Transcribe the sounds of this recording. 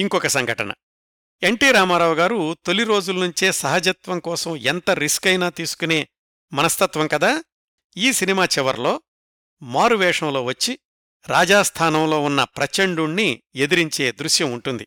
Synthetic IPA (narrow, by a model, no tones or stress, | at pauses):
iŋkɔkɐsɐŋɡʱɐʈɐ̰nɐ̰ | e̞ɳʈiːɾaːmaːɾaːwɡaːɾut̪oliɾo̞ːd͡ʒulɐnuɲt͡ʃeːsɐɦɐd͡ʒɐt̪ʋɐmkɔːsɐment̪ɐɾiskɐjnaːt̪iːsu̥kune̞ː | mɐnɐst̪ɐt̪ʋɐmkɐd̪aː | iːsinimaːt͡ʃɛʋɐɾlo̞ː | maːɾuʋɛːʂɐmlo̞ːʋɐt͡ʃːi | ɾaːd͡ʒaːst̪ʰaːnɐmlo̞ːunːɐpɾɐt͡ʃeɳɖuɳːie̞d̪iɾiɲt͡ʃe̞ːd̪ɾuʃjɐmuɳʈund̪i